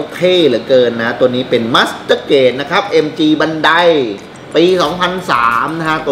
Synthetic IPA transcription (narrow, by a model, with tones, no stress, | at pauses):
oː˧kʰeː˧˩lɯ˨˩˦kɤː˧nːa˦˥t̪u˧ənːiː˦˥pe˧nmaː˦˥st̪ɤː˧˩keː˨˩t̪̚na˦˥kʰɾa˦˥p̚ʔe˧mt͡ɕiː˧ba˧nda˧j | piː˧sɔː˩˦ŋpʰa˧nsaː˩˦mna˦˥kʰa˦˥t̪u˧